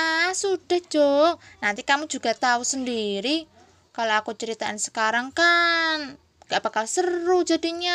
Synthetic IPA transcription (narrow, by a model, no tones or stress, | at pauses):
asud̥a̤hd͡ʒ̥onant̪ikamud͡ʒṳɡ̥at̪ausəndiɾi | kaloakut͡ʃəɾit̪aʔansə̥kaɾaŋkan | ɡ̥ab̥akalsəɾud͡ʒadiɲa